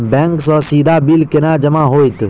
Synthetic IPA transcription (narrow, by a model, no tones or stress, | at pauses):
bɛ̃ːŋksɔsiːd̪ʱabilkɪnaːd͡ʒɐmaɦoːit̪